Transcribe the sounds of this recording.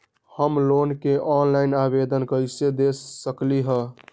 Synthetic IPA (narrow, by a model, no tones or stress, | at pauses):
həmlonkeʔɔnlainabed̪ənkəjsed̪esːəkliɦə